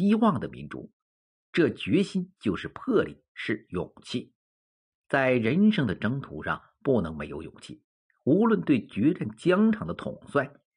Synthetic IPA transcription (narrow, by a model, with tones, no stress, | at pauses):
i˥wɑ˥˩ŋd̪ə˩mḭ˧˥nʈ͡ʂṵ˧˩˥ | ʈ͡ʂɤ˥˩t͡ɕɥɛ˧˥ɕi˥nt͡ɕjo˥˧ʊʂɻ̩˥˧pʰɤ˥˩lḭ˨˩˦ʂɻ̩˥˩jʊ̰˨˩ŋt͡ɕʰi˥˩ | t͡sa˥˩ɪɻə˧˥nʂɤ˥ŋd̪ə˨ʈ͡ʂɤ˥ŋt̪ʰṵ˧˥ʂɑ̰˧˩ŋ | pu˥˩nɤ˧˥ŋme˧˥ɪjo˧˥ʊjʊ̰˨˩ŋt͡ɕʰḭ˥˩ | u˧˥lwə˥˧nt̪we˥˩ɪt͡ɕɥɛ˧˥ʈ͡ʂa˥˩nt͡ɕjɑ˥ŋʈ͡ʂʰɑ˧˥ŋd̪ə˧t̪ʰʊ̰˨˩ŋswa˥˩n